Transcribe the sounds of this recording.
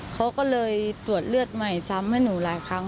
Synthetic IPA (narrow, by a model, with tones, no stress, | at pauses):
kʰa˦˥wkɔː˥˩lɤː˧jt̪u˨˩ət̪̚lɯ˥˩ət̪̚ma˧˩jsa˧˦˥mha˥˩jnuː˩˦laː˨˩˦jkʰa˧˥ŋ